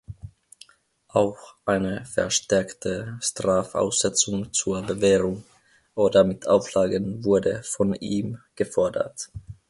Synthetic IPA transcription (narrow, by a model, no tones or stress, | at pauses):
ʔaʊxʔaɪnəfɛ̰ɐʃtɛɐktʰəʃtʁ̥aːfʔa̰ʊsz̥ɛt͡sʊŋt͡suːɐbəvɛːʁʊŋ | ʔoːdɐmɪtʰʔaʊflaːɡənvʊɐdəfɔniːmɡ̥əfɔɐdɐ̰t